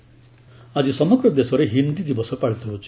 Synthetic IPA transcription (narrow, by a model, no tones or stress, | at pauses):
ad͡ʒisɔmɔɡɾɔd̪esɔɾeɦind̪id̪ibɔsɔpaɭit̪ɔɦot͡ʃʰi̥